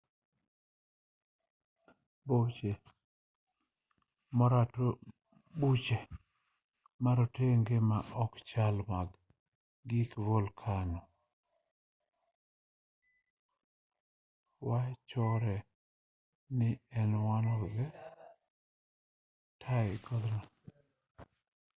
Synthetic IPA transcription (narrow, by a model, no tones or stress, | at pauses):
bot͡ʃe | mɔɾato | but͡ʃe | maɾɔteŋɡemaʔɔkt͡ʃalmaɡ | ɡikvolkʰanɔ | wat͡ʃɔɾɛ | nɪɛnwanɔzɛ | tʰaɪɡɔd̪nɔ